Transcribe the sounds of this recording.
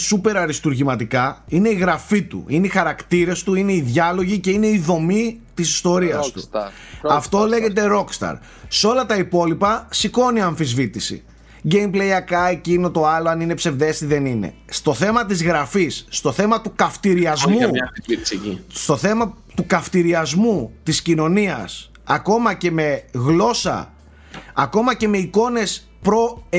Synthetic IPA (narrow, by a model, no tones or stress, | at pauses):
supe̞ɾɐɾist̪uɾʝimɐt̪ikɐine̞iɣɾɐfit̪ṵineixɐɾɐkt̪iɾe̞st̪uine̞iðʝɐlo̞ʝice̞ine̞iðo̞mit̪isi̥st̪o̞ɾiɐst̪u | ɐft̪o̞le̞ʝe̞t̪e̞ɾo̞kst̪ɐ̰ɾ | seo̞lɐt̪ɐipo̞lipɐsiko̞niɐɱfizvit̪isḭ | ɟe̞jmpleiɐkɐe̞cino̞t̪o̞ɐloɐnine̞pse̞vðe̞siðe̞nine̞̰ | st̪o̞θe̞mɐt̪̬izɣɾɐfisːt̪o̞θe̞mɐt̪ukɐft̪iɾiɐzmu | st̪o̞θe̞mɐ | t̪ukɐft̪iɾiɐzmut̪iscino̞niɐ̰s | ɐko̞mɐce̞me̞ɣlo̞sɐ̰ː | ko̞mɐce̞me̞iko̞ne̞s | pɾo̞